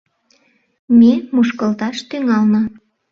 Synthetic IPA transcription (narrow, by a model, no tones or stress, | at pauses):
mʲemuʃkɤlt̪ɑʃt̪yŋɑlnɤ